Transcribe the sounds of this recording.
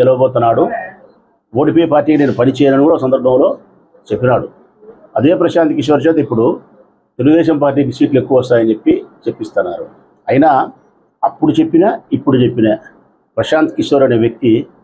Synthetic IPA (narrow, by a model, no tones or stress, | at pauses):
kɛlɐʋɐbɔːt̪̬unːaːɽu | o̞ːʈipɔːjepaːɾʈːiːkineːnupɐnit͡ʃɛːjɐnɐnuɡuːɽɐsɐnd̪ɐɾbʱɐ̃mlo̞ː | t͡ʃe̞pːinaːɽu | ɐd̪e̞ːpɾɐʃaːnt̪ikiʃ̬ʋɐɾt͡ʃɐːt̪ɐipːuɽu | t̪eluɡud̪ɛːʃɐmpaːɾʈ̬ːiːkisʋiːʈlue̞kːuʋɐɔst̪aːjɐnt͡ʃe̞pːit͡ʃe̞pːist̪anːaːɾu | ɐjina | ɐpːuɽut͡ʃe̞pːinɐipːuɽut͡ʃe̞pːinɐ | pɾɐʃaːnt̪i̥kiʂʋɐɾɐneʋjɐk̚t̪i